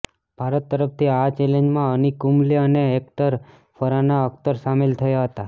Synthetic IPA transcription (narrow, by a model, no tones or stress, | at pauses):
b̥ʱaɾət̪ːəɾəpt̪ʰiat͡ʃelẽɲd͡ʒmãənikumliəneːkt̪əɾ | fəɾanaəkt̪əɾsamelt̪ʰəjaɦət̪a